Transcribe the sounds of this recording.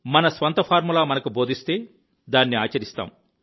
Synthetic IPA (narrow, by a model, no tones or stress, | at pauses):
mɐnɐsʋɐnt̪ɐpʰaːɾmulaːmɐnɐkubo̞ːd̪ʱist̪e̞ː | d̪aːnːiaːt͡ʃɐɾist̪a̰ːm